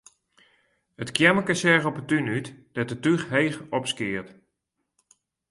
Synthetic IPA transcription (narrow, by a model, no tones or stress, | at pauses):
ətkjɛməkəsɛɣɔpətynytd̥ɛt̚ətyχɦejxɔpskɪərt